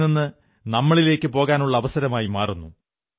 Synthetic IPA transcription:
ninːɨ | nɐmːɐɭile̞ːkːɨpo̞ːɣaːnuɭːɐːʋɐsɐɾɐmaːjimaːrunːu

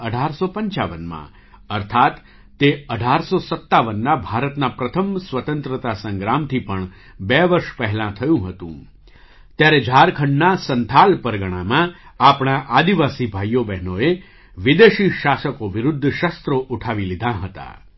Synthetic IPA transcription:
əɖʱaɾsopəɲt͡ʃaʋənmã̰ | əɾt̪ʰat̪ː | eəɖʱaɾsosət̪ːaʋənːabʱaɾət̪napɾət̪ʰəmsʋət̪ə̃nt̪ɾət̪asə̃ŋɡɾamt̪ʰipəɳ | bɛʋəɾʃpɛɦɛlãt̪ʰəjũɦət̪ṵ̃ | t̪jaɾed͡ʒʱaɾkʰəɳɖnasənt̪ʰalpəɾɡəɽ̃amãapɳ̃aʔad̪iʋasibʱajːobɛɦnoe | ʋid̪eʃiʃasəkoʋɪɾʊd̪ʱːʃəst̪ɾoʔuʈʰaʋilid̪ʱãɦət̪a̰

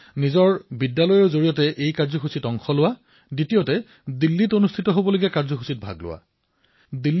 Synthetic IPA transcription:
nizɔɹbidːalɔjozoɹijɔtɛʔejkaɹzɔxusitɔŋxɔlʊwa | ditijotɛ | dilːitonustʰitɔɦobɔloɡiɛkaɹzɔxʰusit̚bʱa̰ɡlʊ̰wa̰ | dilː

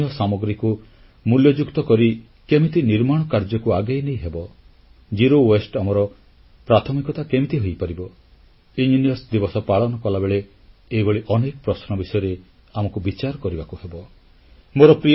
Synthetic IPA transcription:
ɔsamɔɡɾiku | muljɔd͡ʒukt̪ɔkɔɾi | kemit̪iniɾmaɽ̃ɔkaɾd͡ʒɔkuaɡajnejɦebɔ | d͡ʒiɾowesʈamɔɾɔ | pɾat̪ʰɔmikɔt̪akemit̪iɦojpaɾibɔ | ind͡ʒinijɔsd̪ibɔsɔpaɭɔnɔkɔlabeɭe | eboɭiʔɔnekɔpɾɔsnɔbisɔjɔɾe | amɔkubit͡ʃaɾɔkɔɾibakuhebɔ | moɾɔpɾi

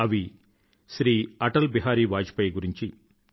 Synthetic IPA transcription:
ɐʋi | ʃɾiːɐʈɐlbiɦaːɾiːʋaːd͡ʒi̥pɐjɡuɾiɲt͡ʃi

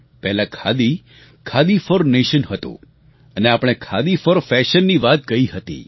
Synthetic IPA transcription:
pɛɦlakʰad̪i | kʰad̪ifəɾneʃənɦət̪ṵ̃ | əneapɽ̃ekʰad̪ifəɾfɛʃənːiʋat̪̚kəiɦət̪ḭ

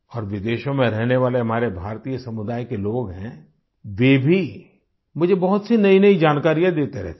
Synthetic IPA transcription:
ɔːɾʋɪd̪eːʃõmẽɾɛɦneʋaːleɦɐm̤aːɾebʱaːɾt̪iːjəsɐmʊd̪aːjkeloːɡɦɛ̰̃ | ʋeːbʱi | mʊd͡ʒʱebɐɦʊt̪sinɐinɐid͡ʒaːnkaːɾijãd̪eːt̪eɾɛ̰ɦt̪

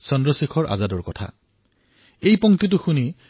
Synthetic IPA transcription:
sɔndɹɔsikʰɔɹʔa̰zadɔɹkɔtʰa̰ | ejpɔŋtit̬ʊxuni

